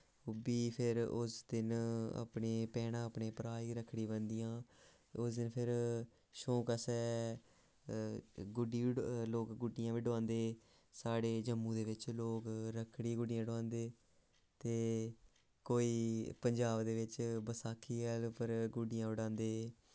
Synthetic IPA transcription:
ʊbiːpʰɪɾʊsd̪ɪna̰pɳeːpɛːɽãːəpɳeːpəɾaːiːɾəkʰːɽiːbənd̪ijãː | ʊsd̪ɪnpʰɪɾ | ʃoːkəsɛː | ɡʊɖiːloːkɡʊɖɪjãːʋiɖʊãːnd̪eː | saːɽeːd͡ʒəmːũːd̪eːʋɪt͡ʃloːkɾəkʰːɽiːɡʊɖɪjãːɖoãːnd̪eː | t̪eː | koːiːpəɲd͡ʒaːbd̪eːʋɪt͡ʃbəsaːkʰːiːɡɛːlpəɾɡʊɖɪjãːʊɽãːnd̪eː

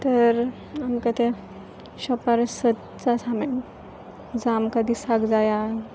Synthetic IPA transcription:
t̪əɾ | amkət̪e | ɕɔpaɾsət̪ | t͡sasamen | d͡zamkad̪isaɡd͡zaja

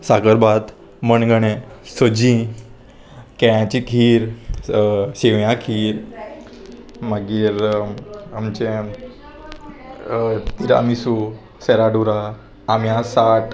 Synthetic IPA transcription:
sakəɾbat̪ | mənɡəɽ̃ẽsod͡ʑĩ | kɛjãt͡ɕikʰiːɾ | ɕeʋjãkʰiːɾ | maɡiːɾ | amt͡ɕe | t̪iɾa̰misu | sɛɾaɖuɾaː | mjãsaʈ

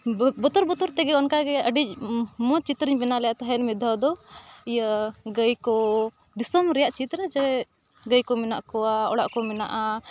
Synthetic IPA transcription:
bɔt̪ɔɾbɔt̪ɔɾt̪ɛɡɛɔnkaɡɛʔəɖic̚mɔt͡ʃit̪ɾiɲbɛnalɛjat̪aɦɛnmɛd̪ʱad̪ɔijaɡəjkɔ | d̪isɔmɾɛjaʔt͡ʃit̪ɾəd͡ʒɛ | ɡəjkɔmɛna̰ʔkɔaɔɽaʔkɔmɛna̰ʔa

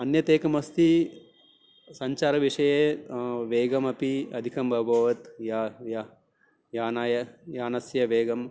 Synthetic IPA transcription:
ɐnjɐt̪eːkɐmɐst̪i | sɐɲt͡ʃaːɾɐʋiʂɐjeːʋeːɡɐmɐpiɐd̪ʱikɐmbʱɐbʱɐːʋɐt̪jajɐ | jaːnaːjɐjaːnɐsjɐʋeːɡɐm

